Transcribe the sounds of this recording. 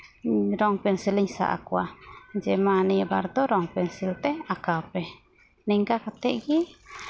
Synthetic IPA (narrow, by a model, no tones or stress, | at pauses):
ɾɔŋpɛnsiliɲsa̰ʔa̰kuad͡ʒɛmaniaba̰ɾd̪ɔɾɔŋpɛnsilt̪ɛakawpɛ | niŋɡakat̪ɛʔɡi